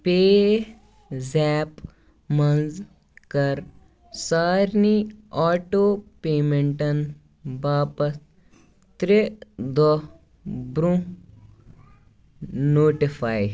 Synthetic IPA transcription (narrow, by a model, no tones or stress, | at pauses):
peː | zɛːp | mɐnz | kɐɾ | saːɾniaːʈoːpeːmeɳʈɐn | baːpɐs | t̪ɾed̪ɔ | bɾũ | noːʈifʰaːj